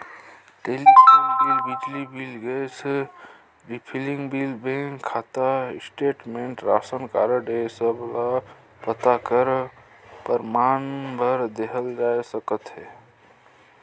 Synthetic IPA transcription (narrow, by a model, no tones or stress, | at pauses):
ʈelipʰonbilbid͡ʒlibilɡəjse | ɾipʰiliŋɡbilbekʰat̪asʈeʈmẽɳʈɾa̰sənkaɾəɖesəbla | pət̪akəɾ | pəɾmanbʱəɾd̪eɦəld͡ʒaesəkət̪ɦɛ